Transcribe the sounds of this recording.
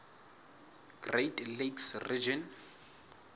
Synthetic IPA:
ɡ̥retleksrid͡ʒɔn

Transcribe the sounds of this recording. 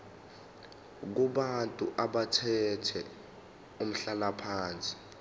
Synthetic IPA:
k̬uɓantʼuʔaɓatʰɛtʰɛ | um̩ɬalapʰaːnt͡sʼi̥

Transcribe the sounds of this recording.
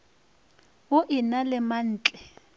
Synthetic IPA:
ʊʔinalɪman̩ːt͡ɬʼɛ

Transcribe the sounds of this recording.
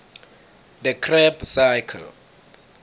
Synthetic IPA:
dəkʰrɛbsajkʰa̰l

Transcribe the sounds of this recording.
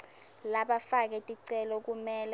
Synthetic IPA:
laɓafak̬ɛtʼiǀɛlɔk̬umɛːlɛ

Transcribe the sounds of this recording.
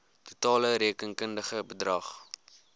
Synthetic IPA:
tu̥tɑːləɾiəkəŋkəndəχəbədrɐχ

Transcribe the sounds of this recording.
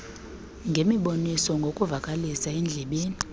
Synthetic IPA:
ŋɡʱemiɓonisɔŋɡʱokʼuvakʼalisaend͡ɮʱiɓiːni

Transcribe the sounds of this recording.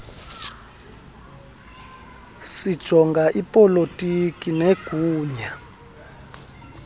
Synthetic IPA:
sid̥ʒ̥ʱɔŋɡʱaipʼɔlotʼikʼineɡ̥ʱuːɲa

